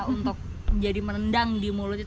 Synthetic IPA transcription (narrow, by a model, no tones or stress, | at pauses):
unt̪ʊk̚ | d͡ʒadimənəndaŋdimulu